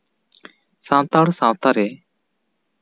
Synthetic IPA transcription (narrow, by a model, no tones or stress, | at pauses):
sãt̪aɽsãt̪aɾɛ